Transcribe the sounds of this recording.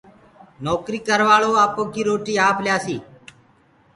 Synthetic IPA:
nɔːkɾiːkəɾʋaːɭoːaːpoːkiːɾoːʈiːaːpljaːsiː

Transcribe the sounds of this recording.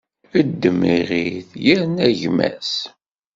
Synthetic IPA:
əd̪ːəmːiʁiθjəɾnæʝmæ̰s

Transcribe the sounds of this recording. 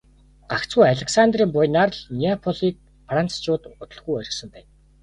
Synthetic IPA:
ɢ̥akt͡sɡujaɮʲeksant̪riːmpʊjnarɮniapʰɔɮiːk̚ | fran̥t͡st͡ɕʊːt̪ʊt̪ə̆ɮɣujœɾʲɪ̆ksɵ̆mpæːn

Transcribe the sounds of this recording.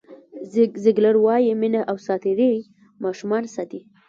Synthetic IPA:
zɪɡlaɾwɑjimɪnaʔawsɑt̪ed̪e | mɑʃumɑnsɑt̪i

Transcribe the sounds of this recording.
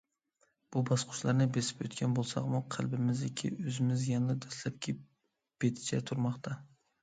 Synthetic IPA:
b̥ʊbɑsqʰʊ̥ʃlaɾnɪbesɪ̥pjot̪kʲanbolˠsɑ̰qmʊqʰɑlˠbɪmɪzekʲʰɪ̰ɵzɪmɪzjɑnɪd̪aslap̚kʲʰɪ | b̥et̪ʰɪ̥t͡ʃʰa̰t̪ʰʊɾmɑqt̪ʰa

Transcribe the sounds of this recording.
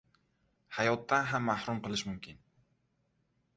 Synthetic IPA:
hajɒt̪ːanɦamːahɾʊmqɨlˠɪʃmʊmkʲʰɪn

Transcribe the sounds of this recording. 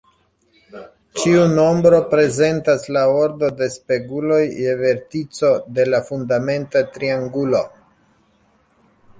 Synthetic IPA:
t͡ʃiuno̞mbɾo̞pɾe̞ze̞ntaslao̞ɾdo̞de̞spe̞ɡulo̞jːeve̞ɾtit͡so̞de̞lafundame̞ntatɾiaŋɡulo̞

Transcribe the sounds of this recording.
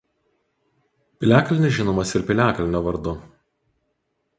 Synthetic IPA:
pʲɪlʲæːklʲɪnʲɪsʲʒʲɪnoːmɐsɪɾpʲɪlʲæːkɐlʲɪnʲoːʋɐɾd̪ʊ

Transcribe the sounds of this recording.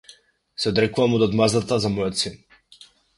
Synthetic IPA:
sɛɔd̪ɾɛkuvamɔd̪ɔd̪mazat̪azamɔjɔt̪sin

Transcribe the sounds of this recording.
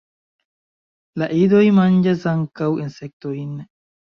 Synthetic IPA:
lɐʔiːd̪ɔjmɐnd͡ʒɐsɐŋkɐwɪnsɛk̚t̪ojinːɛ

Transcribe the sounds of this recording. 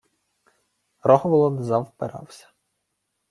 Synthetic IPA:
rɔɦɔʋɔlˠɔnzɐwpɪɾɑ̰wsʲɐ̥

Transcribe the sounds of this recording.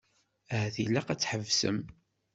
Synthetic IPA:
æθilæqæt͡sːħəvsə̰m

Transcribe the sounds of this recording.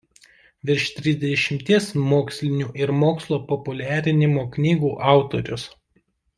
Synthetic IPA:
ʋʲɪɾʲʃt̪ʲɾʲɪzʲd̪ʲɛʃʲɪmʲt̪ʲiɛsmoːksʲlʲɪnʲuːʔɪɾmoːkslˠoːpɔpʊlʲæːɾʲɪnʲɪmoːknʲiːɡuːʔɑˑʊt̪oːɾʲʊs

